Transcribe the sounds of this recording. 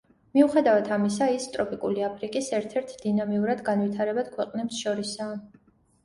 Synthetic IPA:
miuχɛd̪avat̪ʰamisaist̪ʼɾɔpʼikʼuliapʰɾikʼisɛɾt̪ʰɛɾt̪ʰd̪̥inamiuɾad̪ɡanwit̪ʰaɾɛbad̪̥kʰwɛqʼnɛbsʃɔɾisaː

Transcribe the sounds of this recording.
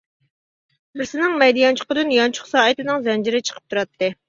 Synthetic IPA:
bɪɾsɪnɪŋmɛjd̪ijɑnt͡ʃʰʊ̥qʊd̪ɨnjɑnt͡ʃʰʊ̥χsɑːɨt̪ɨnɨŋzɛnd͡ʒɪɾɪt͡ʃʰə̥qʰə̥p̚t̪ʰuɾɑt̪ʰːɨ

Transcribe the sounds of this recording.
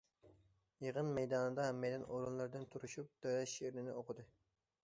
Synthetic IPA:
jeʁənmɛjd̪ɑːnɨd̪ɑɦɛmːɛjd̪ɪnoɾunlˠɨɾd̪ɨnt̪ʰuɾuʃup̚t̪øɾɛʃeɾnɪnɪ̰oqʰəd̪ɨ

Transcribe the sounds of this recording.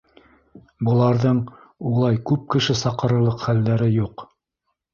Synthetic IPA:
bɤ̆lˠɑɾðɤɴ | ulˠɑjkʉp̚kɘ̆ʃɘsɑqɤ̆ɾɤ̆lˠɤqχælːæɾɘjuq

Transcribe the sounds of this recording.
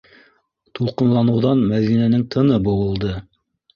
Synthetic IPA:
t̪ulˠqɤ̆nlˠɑnɤ̆wðɑnmæðinænɘŋt̪ʰɤ̆nɤbɤ̆wɤ̆lˠd̪ɤ

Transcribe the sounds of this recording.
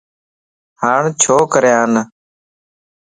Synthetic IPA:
haːɳt͡ʃʰoːkəɾjãːn

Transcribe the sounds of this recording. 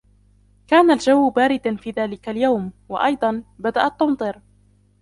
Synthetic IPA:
kaːnald͡ʒawːbaːɾɪd̪anfiːðaːlɪkaljawmwɑ̰ʔɑjd̪ˤɑnbad̪aʔat̪ˤːʊmt̪ˤɨɾ

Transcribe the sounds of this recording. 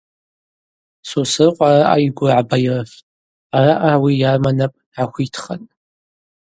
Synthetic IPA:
susɨrqʷʼaraʔajɡʷʊʕabajrf | araʔawijarmanapʼ | ʕaxʷitʰχa̰n

